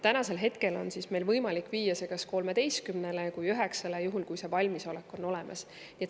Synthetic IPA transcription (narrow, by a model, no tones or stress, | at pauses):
t̪ænɑse̞lɦe̞t̪ke̞lo̞̰nsisme̞jlvɤjmɑlikːˑviːjːɑse̞ɡ̥ɑsko̞lme̞d̪e̞jst̪kymne̞le̞kujyɦeksɑlejuɦulkujsevɑlʲmiso̞lekːˑo̞nːo̞le̞mɑ̰s | niet̪